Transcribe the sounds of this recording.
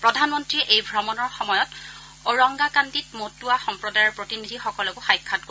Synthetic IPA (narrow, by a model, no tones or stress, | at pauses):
pɹɔdʱanmɔntɹiɛʔejbʱɹɔmɔnɔɹxɔmɔjɔt | ɔɹɔŋɡakanditmotuaxɔmpɹɔdajɔɹpɹotinidʱixɔkɔlɛkʊxajkʰːat̚ko